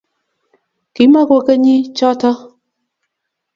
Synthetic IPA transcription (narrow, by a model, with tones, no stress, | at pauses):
ki˨˦ma˦ko˦kə˦ɲi˦t͡ʃɔ˦tɔ˦